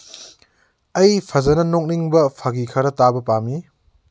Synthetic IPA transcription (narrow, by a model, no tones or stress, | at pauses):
ɐjpʰɐzɐnɐnok̚niŋbɐpʰaɡikʰɐɾɐtabɐpami